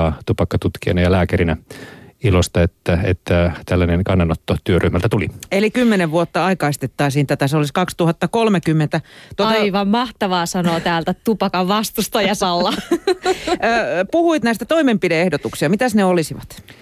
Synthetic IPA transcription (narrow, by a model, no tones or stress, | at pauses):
ɑːt̪upɑkːɑt̪ut̪kiɑ̰nɑjɑlæːkæɾinæilost̪ɑet̪ːæḛt̪ːæt̪ælːæneŋkɑnːɑnot̪ːot̪yørʔyhmælt̪æt̪ulḭelikymːeneʋʋuot̪ːɑɑikɑist̪et̪ːɑisiːnt̪æt̪æseoliskɑkst̪uhɑt̪ːɑkolmekymːent̪æt̪oɑt̪ɑiʋɑmmɑht̪ɑʋɑːsɑnoːt̪æːlt̪æt̪upɑkɑʋʋɑst̪ust̪ojɑsɑlːɑ | puhuit̪næˑist̪æt̪oimempideehdot̪uksiɑmit̪æsneolisiʋɑt̪